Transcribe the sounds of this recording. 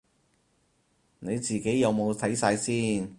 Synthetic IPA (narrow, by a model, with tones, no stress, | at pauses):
ne˨˧jt͡siː˨˩ke˨˥jjɐ˨˧wmo˨˧wt̪ʰɐ˨˥jsaː˧jsiː˥n